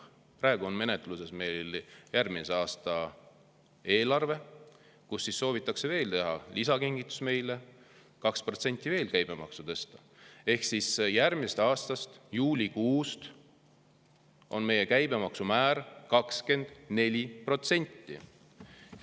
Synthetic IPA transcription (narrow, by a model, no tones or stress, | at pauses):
prɑˑeɡuo̞nme̞net̪ˑluse̞sme̞jljærminseɑːst̪ɑ | e̞ːlɑrve̞ | kusːisːo̞ːvit̪ːˑɑkse̞ve̞ːlt̪e̞ɦɑ̰lisɑkiŋɡit̪ːˑu̥sme̞jle | kɑkspro̞t̪se̞nʲt̪ˑːive̞ːlkæjb̥e̞mɑ̰ksut̪ɤ̞st̪ɑ | e̞hksisjæɾmisest̪ɑːst̪ɑst̪juːlʲikuːst̪ | ʔo̞̰nme̞je̞kæjb̥e̞mɑksumæːɾkɑkske̞nd̪̥ne̞lʲipro̞t̪se̞nʲt̪ːḭ